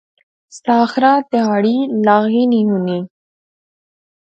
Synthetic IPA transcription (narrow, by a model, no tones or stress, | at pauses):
sɑːxɾat̪eɦaːɽilaɣininuni